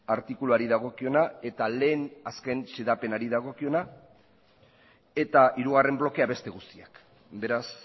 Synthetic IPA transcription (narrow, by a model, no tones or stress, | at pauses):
aɾt̪ikuluaɾiðaɣ̞o̞kio̞nae̞t̪ale̞ːnaske̞nseðape̞naɾiðaɣ̞o̞kio̞na | e̞t̪aiɾuɣ̞are̞mblo̞ke̞aβe̞st̪e̞ɣ̞ust̪iak | be̞ɾas